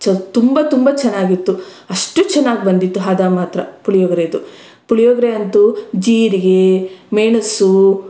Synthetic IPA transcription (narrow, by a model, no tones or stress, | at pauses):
t͡ʃɐt̪umbɐt̪umbɐt͡ʃɛnːaːɡit̪ːu | ɐʂʈut͡ʃɛnːaːɡibɐnd̪it̪ːuɦɐd̪aːmaːt̪ɾɐpuɭijoːɡɾed̪u | puɭijoːɡɾeɐnt̪ud͡ʒiːɾiɡemejɳɐsu